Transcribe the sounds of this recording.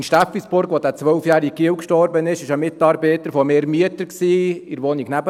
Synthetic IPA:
nʃtæflisb̥ʊɾɡʋɔdæt͡sʋœwfjæːɾik̚kʰiəwkʃtɔrbənɪʃɪʃəmɪtɑːɾbeːt̪əɾfɔmeːɾmyətəɾksiːɪɾʋɔniknæbə

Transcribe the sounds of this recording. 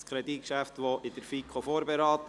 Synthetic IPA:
skʰɾɛd̪ikʃæft̪ʋoʔɪd̥əɾfikʰofoːɾbɛɾɑːt̪

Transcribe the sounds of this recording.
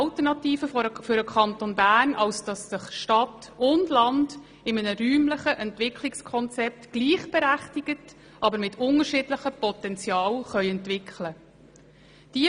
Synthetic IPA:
ɑltəɾnɑtiːfəffʏɾəkʰɑnt̪onbæːrnʔɑwsd̥ɑsːɪχʃtɑtʊndlɑnd | ɪmənəɾyːmləχəʔɛntvɪkʰlɪkskʰɔnt͡sɛp̚tɡ̥liːχb̥ɛɾæχtiɡ̥ət | ʔɑbəɾmɪtʰʊŋəɾʃɪdləχəpɔt̪ɛnt͡sjɑːlχœʏɛntvɪkχlə | d̥i

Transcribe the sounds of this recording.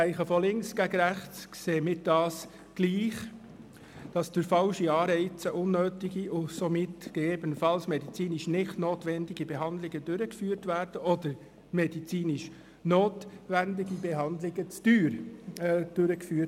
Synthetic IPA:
ɛɪχəfɔlɪŋksɡ̥æɡɾæχt͡skseːmɪd̥ɑːs | ɡ̥liːχ | d̥ɑsd̥ʏɾfɑlʃiɑːɾɛɪt͡səʔʊnːøːtɪɡiʔʊsɔmɪtɡ̥eɡeːbənəfɑlsmɛdit͡siːniʃnɪχtnoːtʋɛndiɡibɛɦɑnd̪lɪɡədʏɾəkfyːɾtʋæːrd̥əʔɔdəɾ | mɛdit͡siːniʃ | noːtʋændɪɡibɛɦɑnd̪lɪɡət͡styːɾ | d̥øɾəkfyːət

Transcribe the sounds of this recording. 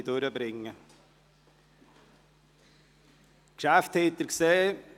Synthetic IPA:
t̪uːɾjəbɾɪŋːə | kʃæːft̪ʰeːt̪əɾkseː

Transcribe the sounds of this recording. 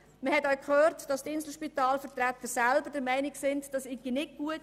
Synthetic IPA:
məhɛtaʊkχøːrtd̥ɑstɪnsl̩ʃpitɑːlfətɾæt̪ːəɾsælbəɾdɛɾmæɪnɪksɪntd̥ɑsɪɡinɪk̚ɡ̥uət

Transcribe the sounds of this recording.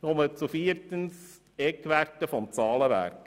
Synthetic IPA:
nomət͡sufiəɾtəns | ekːʋærtːəfɔmt͡sɑːləʋæ̰ɾk

